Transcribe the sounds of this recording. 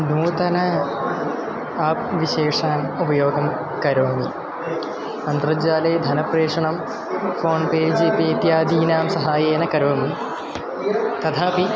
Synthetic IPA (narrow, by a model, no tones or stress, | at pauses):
nuːt̪ɐnɐ | aːp̚ʋiɕeːʂaːnubɐjoːɡɐm | kɐɾoːmi | ɐnt̪rɐd͡ʑaːleːd̪ʱɐnɐpreːʂɐɳɐm | fʰoːɳpeːd͡ʑeːpeːt̪jaːd̪iːnaːmsɐɦaːjeːnɐkɐɾoʋɐmi | t̪ɐt̪ʰaːpi